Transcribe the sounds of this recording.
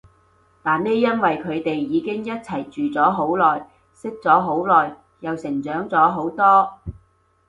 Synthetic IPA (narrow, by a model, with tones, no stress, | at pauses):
t̪aː˨˩nne˥jːɐ˥nwɐ˨jkʰɵ˨˧ɥt̪e˨jːiː˨˧kɪ˥ŋjɐ˥t̚t͡sʰɐ˨˩jt͡ʃyː˨t͡sɔː˨˥ɦo˨˥wlɔː˨˩j | sɪ˥k̚t͡sɔː˨˥ɦo˨˥wlɔː˨j | jɐ˨wsɪ˨˩ŋt͡sœː˨˥ŋt͡sɔː˨˥ɦo˨˥wt̪ɔː˥